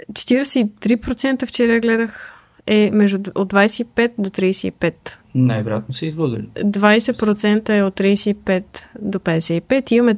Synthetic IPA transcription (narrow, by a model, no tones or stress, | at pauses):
t͡ʃɛ̥t̪iɾɛsɛit̪ɾipɾot̪sɛnt̪əft͡ʃɛɾɛɡlɛd̪əx | ɛmɛʒd̪uod̪vajsɛipɛt̪̚d̪ot̪ɾijsɛḭpɛt̪ | najvɛɾjat̪nosɛizvəɡ̰lʲid̪vajsɛpɾot̪sɛnt̪əɛot̪ːɾijsɛipɛt̪d̪opɛd̪ɛsɛipɛt̪imɐmɛ